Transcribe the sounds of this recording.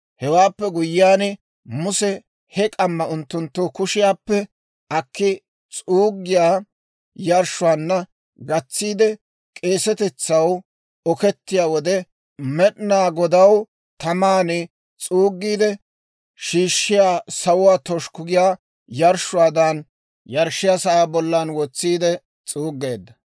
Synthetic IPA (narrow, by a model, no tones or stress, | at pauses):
hɛwaːpːɛɡʊjːaːnɛ | mʊsɛ | hɛkʼɐmːɐʊnt̪ːʊnt̪ːʊkʊʃɪjaːpːɛ | ɐkːɪ | t͡sʼuːɡːɪjaː | jɐɾʃʊwaːnːɐ | ɡɐt͡sːiːd̪ɛ | kʼe̞ːsɛt̪ɛt͡sːɐw | ɔkɛt̪ːɪjaːwɔd̪ɛ | mɛɗnaːɡɔd̪ɐw | t̪ɐmaːnɪ | t͡sʼuːɡːiːd̪ɛ | ʃiːʃːɪjaːsɐwʊwaːt̪ɔʃkʊɡɪjaː | jɐɾʃʊwaːd̪ɐn | jɐɾʃːɪjaːsɐʔaːbɔlːanwɔt͡sːiːd̪ɛ | t͡sʼuːɡːeːd̪ːɐ